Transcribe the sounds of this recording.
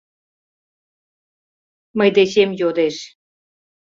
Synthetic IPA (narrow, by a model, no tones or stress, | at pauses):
məjd̪et͡ɕemjod̪eʃ